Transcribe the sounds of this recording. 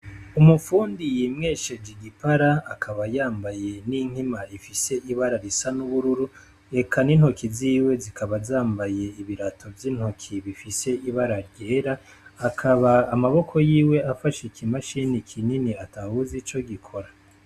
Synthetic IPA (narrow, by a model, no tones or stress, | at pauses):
umufuːndijimŋeːʃed͡ʒiɡipaɾaːkʰaβajaːmbaje̞niŋ̥himaifise̞ʔiβaɾaɾisanuβuɾuɾu | e̞kʰanin̥ho̞kiziːwe̞zikʰaβazaːmbaje̞iβiɾatʰo̞vjinho̞kʰiβifise̞iβaɾaɾɟe̞ːɾaː | kʰaβaːmaβo̞kʰo̞jiːwe̞afaʃikʰimaʃinikʰininiatʰahuzit͡ʃo̞ɡikʰo̞ɾa